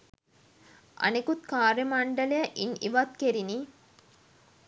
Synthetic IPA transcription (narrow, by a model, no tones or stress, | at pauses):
ʔɐ̰nekut̪kaːɾjəmaɳɖələjəʔiniʋat̪̚keɾini